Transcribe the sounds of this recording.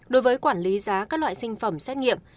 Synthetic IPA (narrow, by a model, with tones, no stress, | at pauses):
ɗo˨˦jvəː˨˦jkwaː˧˩nli˨˦zaː˨˦kaː˦˥k̚lwa̰ː˧˨jsï˧ŋ̟fə˧˩msɛ˦˥t̚ŋḭ˧˨əm